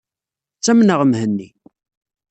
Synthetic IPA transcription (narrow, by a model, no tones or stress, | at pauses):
t͡sːæmnəʁəmhənːi